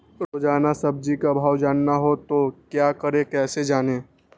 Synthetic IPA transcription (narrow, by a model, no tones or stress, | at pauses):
ɾoːd͡ʒaːnasɐb̚d͡ʒikabʱaːwd͡ʒaːnːaɦot̪okjaːkəɾẽkɛːsed͡ʒaːneː